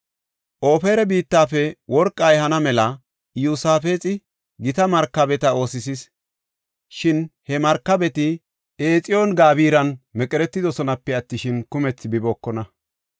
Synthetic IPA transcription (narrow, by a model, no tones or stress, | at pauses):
ʔo̞ːfeːɾɛbiːt̪ːaːfɛwʔɔɾkʼːɐjhɐnɐmɛlɐ | juːsaːfeːt͡sʼɪ | ɡɪt̪ɐmɐɾkːɐbɛt̪ɐo̞ːsɪsis | ʃɪnhɛmɐɾkːɐbɛt̪ɪ | eːt͡sʼɪjoːnɡaːbiːɾɐnmɛkʼɛɾɛt̪ːɪd̪ɔsɔnɐpːɛɐt̪ːɪʃɪnkʊmɛt͡sːbɪboːkːɔnɐ